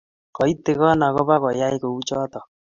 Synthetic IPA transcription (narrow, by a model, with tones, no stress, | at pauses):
kɔ˨i˦t̪e˨ɣɔ˦na˨ɣɔ˦βa˦ɣɔ˨ja˦i˦ko˨u˦t͡ʃɔ˦t̪ɔ˨